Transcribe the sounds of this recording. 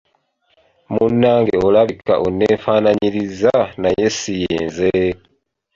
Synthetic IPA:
munːaːŋɡeolaβika̰ʔuneːɱfanaɲiɾizanajesijeːnze

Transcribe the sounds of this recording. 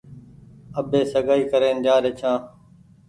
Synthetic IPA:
əbeːsəɡaːiːkəɾeːnd͡ʒaːɾeːt͡ʃʰãː

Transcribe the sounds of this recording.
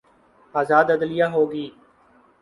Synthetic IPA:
aːzaːd̪əd̪lɪjãːɦoːɡiː

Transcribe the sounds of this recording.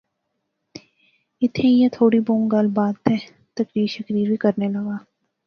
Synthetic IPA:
ɪt̪ʰẽjet̪ʰoːɽibõːmɡɐlbaːt̪ɦɛ | t̪ɐkɾiːɾʃɐkɾiːɾbʱikɐɾnelɐɡaː

